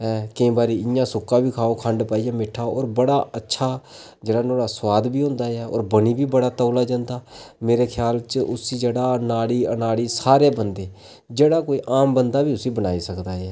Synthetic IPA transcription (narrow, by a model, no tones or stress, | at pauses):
ɛːkəĩːbaːɾiːɪjãːsʊkːãːbiːkʰaːoːkʰəɳɖpaːijãːmɪʈʰːaːɔ̰ːɾbəɽaːətːʃʰaː | d͡ʒeːɽaːnoːɽaːswaːd̪biːɦʊ̃nd̪aːɛːɔ̰ːɾbəniːbiːbəɽaːt̪əːlaːd͡ʒãːnd̪aːmeːɾeːkʰjaːlt͡ʃʔʊsiːd͡ʒeːɽaːnaːɽiːənaːɽiːsaːɾeːbənd̪eː | d͡ʒeːɽaːkoːiːʔaːmbənd̪aːbiːʊsĩːbənaːiːsəkd̪aːɛː